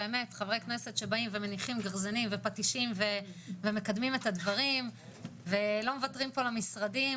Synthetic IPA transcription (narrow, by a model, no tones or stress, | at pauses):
eeme̞tχavʁekneset̪ʃe̞baimveme̞niχimɡaʁzanimvepatiʃimve̞veme̞kad̪mimet̪ad̪vaʁim | velo̞mevatʁimpo̞lamisʁadi